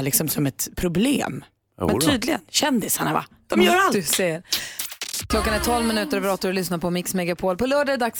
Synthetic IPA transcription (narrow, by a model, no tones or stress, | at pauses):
lɪksɔmsɔmɛt̪pʰɾʊblḛːm | ɛnt̪ʰyːd̪lɪɡə̰nɕɛnd̪ɪsaɳava̰ | d̪̥ɔmjœːɾad̪seɾ | kʰlɔkːanɛʈ̪ʰɔlvmɪnʉ̟ːt̪əɾbɾɔːt̪aɾɔlʏsnapʰɔmɪksmɛɡapʰoːlpɔlœːɖad̪aks